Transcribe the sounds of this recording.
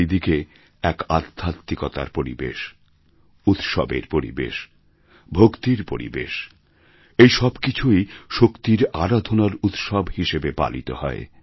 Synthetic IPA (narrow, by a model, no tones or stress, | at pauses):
id̪ike | ɛkad̪ʰʱːatt̪ːikɔt̪a̰ɾpoɾḭbḛʃ | ut̪ʃɔbeɾpoɾḭbḛʃ | bʱokt̪iɾpoɾḭbḛʃ | ejʃɔbkit͡ɕʰujʃokt̪iɾaɾad̪ʱonaɾut̪ʃɔbhiʃebepa̰lḭt̪ohɔ̰e